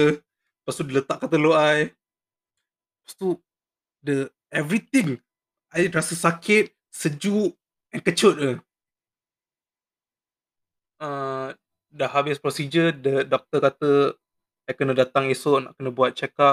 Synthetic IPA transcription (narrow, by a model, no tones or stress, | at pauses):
past̪udilət̪aʔkat̪əloʔaj | pḁst̪u | də | ɛvɾit̪ɪŋ | ʔajɾasəsakʰɪt̪̚ | səd͡ʒuʔ | ɛnkət͡ʃʊt̪̚ə | ə | dəhabɪspɾosid͡ʒədədɔk̚t̪əkat̪ə | ʔajkənədat̪aŋesɔʔna̰ʔkənəbuat̪̚t͡ʃɛka